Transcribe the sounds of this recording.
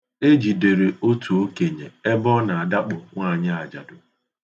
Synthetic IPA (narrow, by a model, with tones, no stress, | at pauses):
e˦d͡ʒi˨de˨ɾe˨o˦tʰu˨o˦ke˨ɲe˨e˦bɔ˦na˨a˨da˦k͡pʊ˨ŋʷa˦˨ɲɪ˦a˨d͡ʒa˨dʊ˨